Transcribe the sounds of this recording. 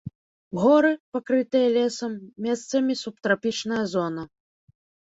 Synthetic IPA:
ɣɔɾɨpakɾɨt̪ɨjɐlʲɛsɐmːʲɛst̪sɐmʲisup̚t̪ɾapʲit͡ʂnɐjɐzɔnɐ

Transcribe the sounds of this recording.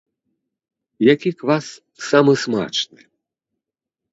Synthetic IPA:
jakʲikvasː | amɨsma̰t͡ʂnɨ

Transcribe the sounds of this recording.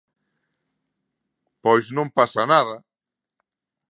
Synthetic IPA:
pɔjsnõmpasanaðɐ

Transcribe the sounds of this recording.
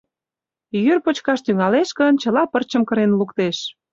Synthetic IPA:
jyrpot͡ɕkɑʃt̪yŋɑleʃkə̆nt͡ɕə̆lɑpərt͡ɕəmkə̆ɾenlukt̪eʃ

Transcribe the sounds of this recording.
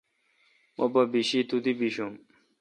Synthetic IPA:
mobɐbiɕit̪ut̪ibiɕum

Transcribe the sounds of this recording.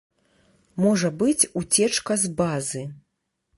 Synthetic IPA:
mɔʐɐbɨt͡sʲut͡sʲɛt͡ʂkɐzbazɨ

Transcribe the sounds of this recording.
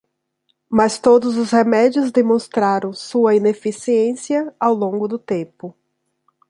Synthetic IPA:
mast̪od̪ʊzʊshemɛd͡ʒiʊzd̪emõst̪ɾaɾɐ̃w̃suɐinefisiẽsiɐawlõɡʊd̪ʊt̪ẽpʊ

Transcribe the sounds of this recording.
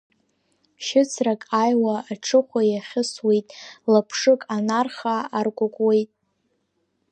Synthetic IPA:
ʃɪt͡sʰrakʼajwaːʈ͡ʂʰɨχʷajaχʲɪswejtʼlapʰʂɨkʼanarχaːrkʷʼakʷʼwejtʼ

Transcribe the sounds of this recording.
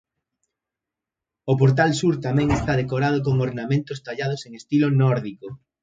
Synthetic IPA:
op̬oɾt̪̬alsuɾt̪amɛ̃ŋest̪aðekoɾað̞ok̬oŋoɾnamẽnt̪ost̪aʎað̞oseŋest̪ilonɔɾðiko

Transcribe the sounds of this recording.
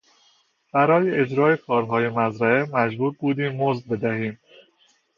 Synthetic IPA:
b̥æɾɒːjeʔed͡ʒɾɒːekʰɒːɾɦɒːje̞mæzɾæemæd͡ʒbuːɾbuːd̪iːmːozbe̞d̪æhiːm

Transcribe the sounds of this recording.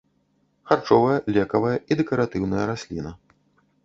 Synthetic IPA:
xart͡ʂɔvɐjɐlʲɛkɐvɐjɐʔid̪ɛkɐɾat̪ɨwnɐjɐɾasʲlʲinɐ

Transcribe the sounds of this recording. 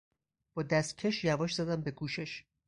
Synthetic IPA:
b̥ɒːd̪æst̪̚cʲʰe̞ʃjævɒːʃzæd̪æmbe̞kʰuːʃeʃ

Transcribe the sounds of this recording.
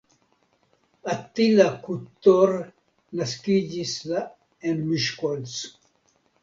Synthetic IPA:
at̪ːilakut̪ːoɾ | naskid͡ʒisla | enmiʃkols

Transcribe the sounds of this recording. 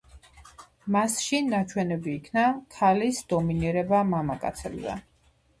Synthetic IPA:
masʃinat͡ʃʰwɛnɛbiːkʰnakʰalisd̪ɔminiɾɛbamamakʼa̰t̪sʰɛlzɛ̰

